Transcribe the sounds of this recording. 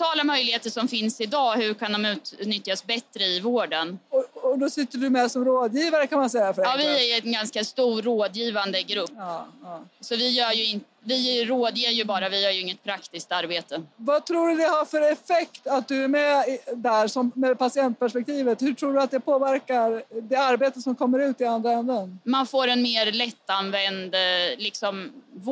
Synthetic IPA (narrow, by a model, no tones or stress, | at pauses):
t̪ʰɑːlamœjlɪheːt̪əʂɔmfɪnsɪd̪ɑːhɵɾkʰand̪ɔmʉ̟ːt̪nʏt̪jasbɛt̪ɾəɪvoːɖənɔɔd̪ɔsɪt̪ːəɖɵmɛsɔmɾoːd̪jiːvaɾəkʰanmansɛjːafœɾɛvɪæɾjɛnɡanskast̪uːɾoːd̪jiːvand̪əɡɾɵpː | sɔvɪjœːɾjɵɪnt̪ | vɪɾoːd̪jɪjɵbɑːɾavɪjœːɾjɵɪŋːət̪̚pʰɾakt̪ɪsk̚t̪aɾbeːt̪əvat̪ʰɾuːɖɵd̪ɛhaɾfœɾɛfɛkt̪at̪̚d̪ɵæɾmɛd̪æɾsɔmmɛd̪̚pasɪɛnt̪̚pʰæʂpɛk̚t̪ʰiːvət̪hɵʈʰɾuːɖɵat̪̚d̪ɛpʰoːvæɾkaɾd̪ɛaɾbeːt̪əsɔmkʰɔmːəɾʉ̟ːt̪ɪand̪ɾaɛnd̪ənmanfoːɾɛnmeːɾlɛt̪ːanvɛnd̪lɪksɔmv